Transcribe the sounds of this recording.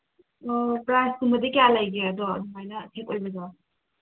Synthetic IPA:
ɔpɾajsdumbɐdikjalajɡeɐdɔ̰dumajnɐtʰekojbɐd͡ʒaw

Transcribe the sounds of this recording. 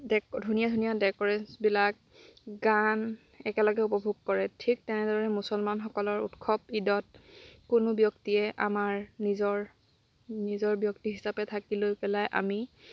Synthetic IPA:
dɛkdʱunijadʱunijadɛkɔɹɛnsbilak̚ | ɡan | ɛkɛlɔɡɛupɔbʱuɡ̚kɔɹɛtʰik̚tɛnɛdɔɹɛmusɔlmanxɔkɔlɔɹṵtkʰɔpidɔt̚kʊnʊbjɔktiɛʔa̰maɹnizɔɹ | nizɔɹbjɔk̚tiɦisapɛtʰakilojpɛlajʔa̰mi

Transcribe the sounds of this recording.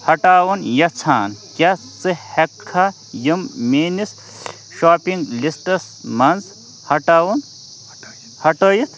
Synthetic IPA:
hɐʈaːwɐnjɐt͡sʰaːnkja | t͡sɨhɐkʰːa | jimmeːnis | ʃaːpiŋɡlisʈɐs | mɐnz | hɐʈaːwun | hɐʈɐjit̪

